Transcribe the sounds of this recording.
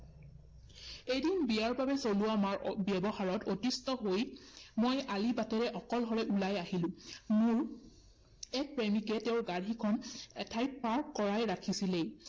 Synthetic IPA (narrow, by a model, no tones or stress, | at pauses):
ejdinbijaɹbabɛsoluwamaɹbjɛbɔxaɹɔtotistɔɦojmojalibatɛɹɛʔɔkɔlɦɔɹɛʔulajahilʊ̃mʊɹ | ɛk̚pɹemikɛtɛʊɹɡaɹikʰɔnɛtʰajt̚paɹkːɔɹajɹakʰisilej